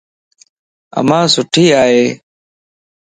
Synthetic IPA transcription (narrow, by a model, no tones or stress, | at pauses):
ə̰mãːsʊʈʰiːaːɦeː